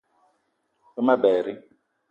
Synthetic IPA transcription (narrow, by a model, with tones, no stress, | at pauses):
ɛ˦ma˦bɛː˨ɾi˦